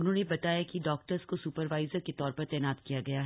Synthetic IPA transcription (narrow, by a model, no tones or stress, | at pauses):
ʊnɦõːnebɐt̪aːjakiɖɔːk̚ʈəɾzkosuːpəɾʋaːɪzəɾket̪ɔːɾpɐɾt̪ɛːnaːd̪kijaɡɐjaɦ